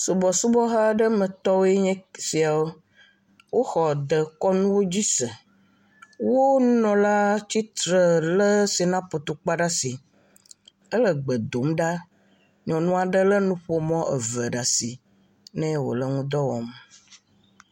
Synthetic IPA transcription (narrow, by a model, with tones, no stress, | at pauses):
so˨bɔ˨su˦bɔ˦ɦa˦ɖə˦mə̃˨t̪ɔ˦wo˦e˦ɲɛ̃˦si˨a˨wo˦ | wo˦xɔ˨d̪ə˨kɔ˦nũ˦wo˦d͡ʑi˦sə˨ | wo˦nũ˦nɔ̃˨la˦t͡ɕi˦t̪ɾə˨lə˦si˨nã˦po˨t̪o˨k͡pa˦ɖa˦si˨ | ə˦lə˨ɡ͡bə˨d̪o˨mɖa˦ | ɲɔ̃˨nũ˦a˨ɖə˦lə˦nũ˦ɸo˦mɔ̃˦ʔə̰˨və˨ɖa˨si˨ | nɛ̃˦wo̰˨lə˦ŋũ˦d̪ɔ˦wɔ̰˨m